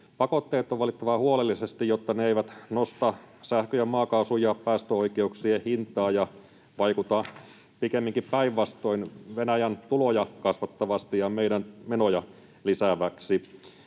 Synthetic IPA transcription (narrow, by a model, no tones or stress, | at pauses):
pɑkot̪ːeːt̪ːˑoʋɑlit̪ːɑʋɑhuolelːisest̪ijjot̪ːɑneeiʋæt̪nost̪ɑsæhkøjɑmɑːkɑusujɑppæːst̪øoikeuksiehint̪ɑːjɑ | ʋɑikut̪ɑ | pikemːiŋkippæiʋʋɑst̪o̞inʋenæjænt̪ulojɑkɑsʋɑt̪ːɑʋɑst̪ijɑmeidænmenojɑ | lisæʋæksi